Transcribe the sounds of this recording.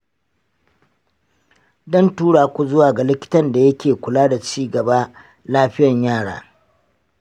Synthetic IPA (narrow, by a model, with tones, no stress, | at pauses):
dɔ˦ntuː˦ɽaː˨kʷu˦zʊ˦waː˨ɡa˨lɪ˦kʲɪ̥˦tɐ˦nda˨jɐ˦kʲeː˨kʷʊ˨laː˦da˨t͡ʃiː˦ɡɐ˨ba˦ | laː˦ɸɪ˦jɐ˨ɲjaː˦˨ɽa̰ː˨